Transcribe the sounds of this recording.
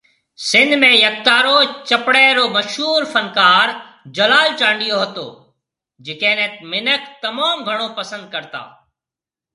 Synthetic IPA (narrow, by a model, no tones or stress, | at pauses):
sɪ̃nd̪ʱmẽːjək̚t̪aːɾoːt͡ʃəpɽɛːɾoːməʃɦuːɾfʰənkaːɾ | d͡ʒəlaːlt͡ʃaːɳɖijoːɦət̪o̰ː | d͡ʒɪkẽːnet̪mɪnəkt̪əmaːmɡʱəɽ̃oːpəsə̃nd̪̚kəɾt̪a̰ː